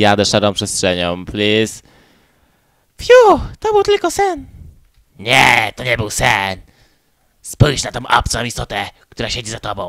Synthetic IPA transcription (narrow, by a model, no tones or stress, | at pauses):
jad̪ɛʂaɾɔ̃w̃pʂɛstʂɛɲɔ̃w̃plʲus | fjut̪ɔbɘwt̪ɘlkɔsɛn | ɲɛt̪ɔɲɛbɨwsɛn | spujʂnat̪ɔ̃w̃ʔa̰p̚t̪sɛɔ̃w̃ist̪ɔt̪ɛk̚t̪uɾaɕed͡ʑizat̪ɔbɔ̃w̃